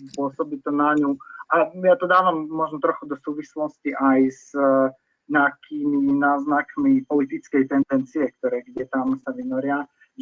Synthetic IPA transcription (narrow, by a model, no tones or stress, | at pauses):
pʊɔsɔbit̪ɔnaɲuʔajat̪ɔd̪aːʋamːɔʒnɔt̪ɾɔxud̪ɔsuːʋislɔsciʔajz | ɲɛakʰiːminaːznakmipɔlit̪it͡skɛjt̪ɛnd̪ɛnt͡siɛkt̪ɔɾɛːɡɟɛt̪amsaʋinɔɾɪa | ʒ